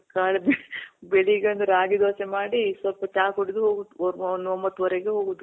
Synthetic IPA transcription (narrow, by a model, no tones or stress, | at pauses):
kaːɭebbeɭiɡeɐnd̪ɐɾaːɡid̪oːsemaːɽisʋɐlpɐt͡ʃaːkoɽid̪uɦoːɡud̪uɔɾnd̪uɐmbɐt̪ːuʋɐɾeɡeɦoːɡud̪u